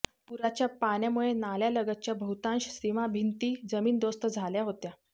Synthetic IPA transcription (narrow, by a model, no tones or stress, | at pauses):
puɾat͡ɕjapaɳjamuɭenaljaləɡət̪̚t͡ɕjabʱəɦut̪ãnɕɕɾimabʱint̪iːd͡zəmiːnd̪ost̪əd͡zʱaljaɦot̪ja